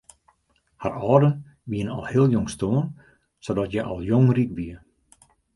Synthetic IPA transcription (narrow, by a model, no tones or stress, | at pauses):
harɔːdə | ʋiənɔ̰lˠheəlˠjoŋstoən | sodɔtjɛʔɔ̰lˠjoŋrikʋiə